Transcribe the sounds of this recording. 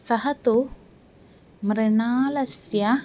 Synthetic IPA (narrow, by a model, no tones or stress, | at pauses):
sɐɦɐt̪u | mɾɪɳaːlɐsjɐ